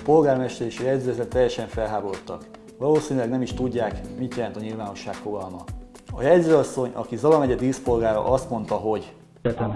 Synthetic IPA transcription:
po̞lɡaːrmɛʃt̪ɛɾeːʃɒjɛɟ̪zøːɛzɛt̪t̪ːɛjːɛʃɛɱfɛlɦaːbo̞ɾo̞t̪ːɒk | ʋɒloːsiːnylɛɡnɛmiʃt̪uɟːaːkmit̪jɛlɛnt̪ɒɲilvaːno̞ʃːaːkfo̞ɡɒlmɒ | ɒjɛɟzøːɒsːo̞ɲɒ̰kizɒlɒmɛɟɛd̪iːspo̞lɡaːɾɒ̰ʔɒst̪mo̞n̪t̪ɒɦo̞ɟ | ɛt̪ɛm

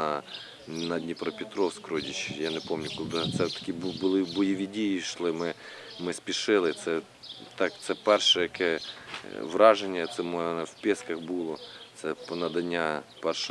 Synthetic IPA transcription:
ɐ | nɐdʲnʲipɾɔpʲɪt̪ɾɔwskɾɔdʲit͡ʃjanɛpomnʲʊkʊd̪at̪sɛt̪ɐ̥kʲibbʊlˠɪbɔjiʋʲidʲijiʃlˠɪmɪ | mɪspʲiʃɪlˠɪt̪sɛ | t̪ɑkt̪sɛpɛrʃɛjɐkɛ | ʋrɑʒenʲːɐt̪sɛmɔnɛwpʲiskɐxbulˠɔt̪sɛpnɐd̪ɐnʲːapɛrʃ

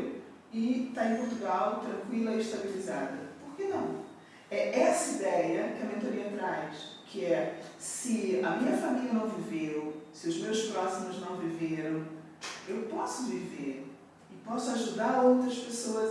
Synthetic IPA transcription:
it̪aẽpuɾt̪uɣalˠt̪ɾɐ̃ŋkwilˠɐiʃt̪ɐβilizaðɐpuɾkenɐ̃w̃ | ɛɛsɐid̪ɛjɐkɐmẽnt̪oɾiɐt̪ɾajʃkʰɨɛsɨɐmĩɲɐfamiliɐnɐ̃w̃vivewsɪuʒmewʃpɾɔsimʊʒnɐ̃w̃viveɾɐ̃w̃ | ewpɔsʊviveɾ | ipɔsuaʒuðaɾowt̪ɾɐʃpesoɐz

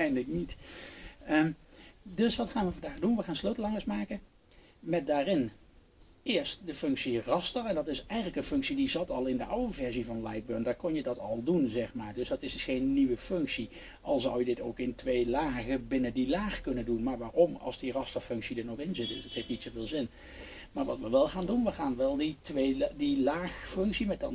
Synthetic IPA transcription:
ɛjnlək̚nit | əmdɵsʋɑtχaːnʋəvɑndaːχdunʋəχaːnsløːtəlˠɑŋəsmaːkən | mɛt̚daːrɪn | ɪːɹstdəfɵŋksirɑstərɛndɑtɪsɛjχənləkənfɵŋksidizɑtɑlˠɪndəʔawəvɛɹzivɑnlaj̚bøːɹndakɔnjədɑtɑlˠdunzɛχmaːɹdɵsdɑtɪsdsχejnːiʋəfʏŋksi | ʔɑlˠzʌwjədɪtowkɪntʋejlaːχəbɪnəndilaːχkɵnəndunmaːɹʋaːrɔmɑ̰lˠzdirɑstəɹfʏŋksidəɹnɔχɪnzɪt̚dɵ̰sətɦeftnitsowveːlˠzɪn | maːɹʋɑ̰tʋəʋɛlˠχaːndunʋəχaːnʋɛlˠditʋejdilaːχfɵŋksimɛtdɑn

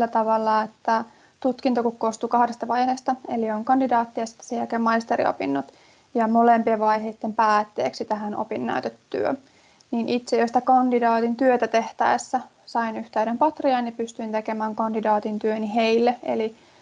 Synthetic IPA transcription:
lːæt̪ɑʋɑlːɑet̪ːæ | t̪ut̪kint̪okukkoːst̪uːkɑhdest̪ɑʋɑjheːst̪ɑelioŋkɑndidɑːt̪ːiɑsi̥t̪ːæ̥seækemɑist̪eɾḭo̰pinːot̪ | jɑmolempieʋɑjɦeit̪ːempæːt̪ːḛːksit̪æɦænʔo̰pinːæ̰yt̪et̪ːy̰ø̰ | niːnʔit̪sejosit̪ækɑndidɑːt̪int̪yøt̪æt̪eht̪æisːæ | sɑinyht̪æyɾempɑt̪riɑnːipyst̪yint̪ekemæːŋkɑndidɑːt̪int̪yøniheilːeḛli

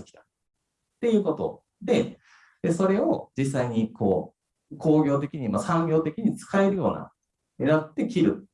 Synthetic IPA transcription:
ɨ̥kʲi̥t̪ḁ | t̪ːe̞jɯ̟ːko̞t̪o̞̰ | d̪e̞ | d̪eso̞ɾe̞o̞̰d͡ʑisːaiɲ̟ikʰo̞ː | kʰo̞ːɡʲo̞ːt̪̬e̞kʲiɲ̟imasãŋɡʲo̞ːt̪e̞kʲiɲ̟it͡sɨ̥kae̞ɾɯ̟jo̞̰ːna̰ | eɾat̪̚ːe̞kʲiɾɯ̟̰

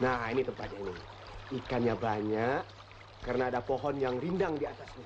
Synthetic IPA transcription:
nahinit̪əmpat̪̚ɲaini | ikanɲabaɲakː | ərənaːdapoɦɔnjaŋrindaŋdiat̪asɲa

